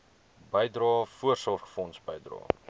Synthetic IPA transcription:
bəjdrɑːfuərsɑχfɔnsbəjdrɑ̰ː

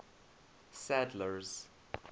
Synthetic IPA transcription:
sædləɹz

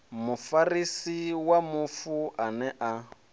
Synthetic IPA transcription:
mufarisiwamufuʔanɛʔa

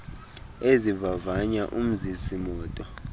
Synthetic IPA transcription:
ezivavaɲaʔum̩zisimɔːtʼɔ

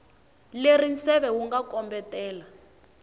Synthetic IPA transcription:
lerinsɛβɛwuŋɡakɔmbɛtɛːla

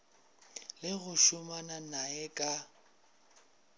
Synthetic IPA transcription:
lɪɣʊʃʊmananaɛkʼa

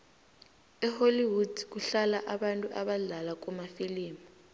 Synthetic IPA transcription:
ɛholiwud̥ik̬uɬalaʔaɓantʼuʔaɓaɮalak̬umafiliːma

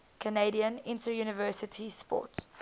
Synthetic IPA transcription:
kʰəneɪdiə̃nɪ̃ntəjuːnɪvɜˑsɪtʰispɔ̰ˑts

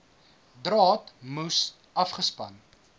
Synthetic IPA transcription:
drɑːtmus | ʔɐfχəspɐn

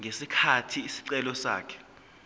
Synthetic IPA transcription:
ŋesikʰatʰiːsi̥ǀɛlɔsa̰ːkʰɛ̥

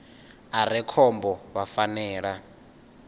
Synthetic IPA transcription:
aɾɛkʰɔmbɔβafanɛːɺa

